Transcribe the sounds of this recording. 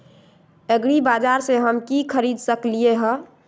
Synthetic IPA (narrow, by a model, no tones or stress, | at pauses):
eɡɾibad͡ʒaɾseɦəmkikʰəɾid̪ʱsəklieɦə